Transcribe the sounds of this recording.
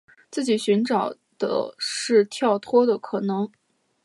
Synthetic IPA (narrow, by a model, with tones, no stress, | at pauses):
t͡sɹ̩˥˩t͡ɕi˨˩ɕy˧˥nʈ͡ʂɑ˨˩ʊ | d̪̥ə̰˦ʂɻ̩˥˧t̪ʰjɑ˥˩ʊt̪ʰwɔ˥d̪ə˨kʰɤ˨˩nɤ˧˥ŋ